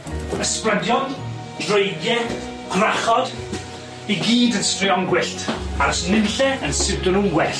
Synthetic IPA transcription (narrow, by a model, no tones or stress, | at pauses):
əsprədjɔn | d̥roɨɡjɛ | ɡ̥raχɔd̥ | iɡiːdənstriɔŋɡwɪɬtʰaɾɔsnɪnɬɛənsɪwdɔnuːnwɛɬ